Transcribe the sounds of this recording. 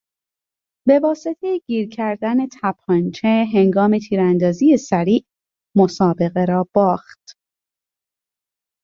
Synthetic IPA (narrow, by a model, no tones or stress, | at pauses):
be̞vɒːse̞t̪ʰejeɟ̥iːɾcʰæɾd̪æne̞t̪ʰæpʰɒnt͡ʃʰeɦeŋɡɒːme̞t̪ʰiːɾænd̪ɒːzije̞sæɾiːʔ | mo̞sɒːbe̞ɣe̞ɾɒːb̥ɒːxt̪